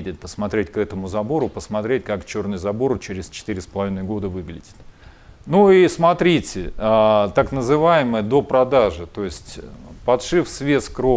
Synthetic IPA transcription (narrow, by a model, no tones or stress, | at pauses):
dʲɪt̪̚ʲpəsmɐt̪ɾʲetʲkɛt̪əmʊzɐbo̞ɾʊpəsmɐt̪ɾʲetʲkakt͡ɕo̞rnɨjzɐbo̞ɾt͡ɕeɾʲɪst͡ɕɪ̥t̪ɨɾʲɪspəlˠɐvʲinəjɡo̞d̪əvɨɡlʲɪdʲɪ̥t̪ | nuismɐt̪ɾʲitʲɪat̪aknəzɨvajɪməjəd̪o̞pɾɐd̪aʐɨt̪o̞jɪsʲtʲpɐt̪ʂɨfsvʲe̞skɾo